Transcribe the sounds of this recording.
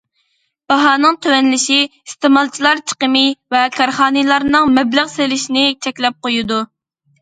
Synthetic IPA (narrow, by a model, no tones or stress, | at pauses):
b̥ɑɦɑːnɨŋt̪ʰøwɛnlɪʃiist̪emɑlˠt͡ʃʰilˠɑɾt͡ʃʰə̥qəmɪvɛkʰɑɾχɑːnɨlˠɑɾnɨŋmɛblɪʁselɪʃinɪt͡ʃʰɛkʲlɛp̚qojud̪u